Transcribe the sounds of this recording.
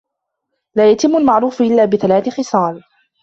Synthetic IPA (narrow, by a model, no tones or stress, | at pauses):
laːjat̪ɪmːʊlmaʕɾuːfʔɪlːaːbɪθalaːθɪxɨsˤɑːl